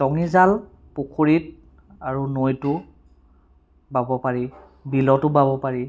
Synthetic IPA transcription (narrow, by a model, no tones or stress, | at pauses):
zɔŋizal | pukʰoɹit̚ | aɹunojtʊ | babɔpaɹi | bilɔtʊbabɔpaɹi